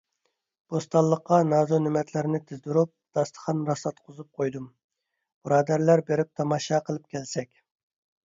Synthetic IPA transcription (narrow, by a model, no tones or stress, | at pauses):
b̥ost̪ɑlˠːəqːɑnɑːzonɪmɛt̪ʰlɪɾɪnɪt̪ʰɪzd̪uɾup̚d̪̥ɑst̪ʰə̥χʰɑnɾɑsˠɑt̪qʰʊzup̚qʰojd̪um | b̥ɨɾɑːd̪æɾlæɾbeɾɪp̚t̪ʰɑmɑʃɑqʰəlˠɨp̚kʲʰɛlsɛkʲ